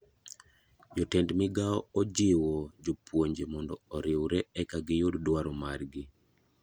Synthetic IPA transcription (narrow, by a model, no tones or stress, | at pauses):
jɔtɛndmɪɡaɔɔd͡ʒɪwɔd͡ʒopwoɲd͡ʒemɔndɔɔɾɪwɾɛɛkaɡɪjʊddwaɾomarɡɪ